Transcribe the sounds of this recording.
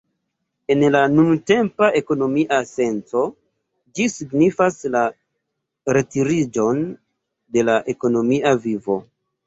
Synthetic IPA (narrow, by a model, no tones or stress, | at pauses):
e̞nlanunte̞mpaʔe̞ko̞no̞miʔase̞nt͡so̞ | d͡ʒisiɡnifasla | ɾe̞tiɾid͡ʒo̞n | de̞laʔe̞ko̞no̞miʔavivo̞